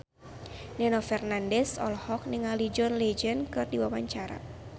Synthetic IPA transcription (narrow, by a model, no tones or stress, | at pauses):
nɛnɔfɛrnandɛsɔ̰lhɔk̚nɪŋalid͡ʒɔnled͡ʒənkɨrdiwawaɲt͡ʃaɾa̰